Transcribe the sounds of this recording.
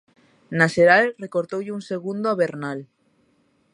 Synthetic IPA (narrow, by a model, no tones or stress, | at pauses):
naʃeɾalrekoɾt̪owʎeunseɣ̞und̪oaβeɾnal